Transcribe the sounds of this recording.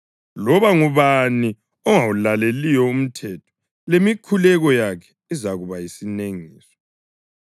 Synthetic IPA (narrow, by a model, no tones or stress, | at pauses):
lɔβaŋuβani | ɔŋawulalelijɔum̩tʰɛtʰɔ̥ | lemikʰulɛɣɔjakʰɛ̥izaɣuβajisineŋiːsɔ̥